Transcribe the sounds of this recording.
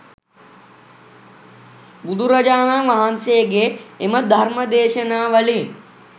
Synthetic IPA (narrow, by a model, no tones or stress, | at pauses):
bud̪ʱuɾɐd͡ʒaːnaːʋaɦansejɡeːməd̪ʱɐɾmɐd̪eːʃənaːʋɐli